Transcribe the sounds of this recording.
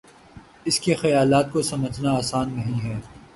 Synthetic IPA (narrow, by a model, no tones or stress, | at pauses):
ɪskexɐjaːlaːt̪̚kosɐməd͡ʒʱnaːsaːnːɐɦĩɦɛː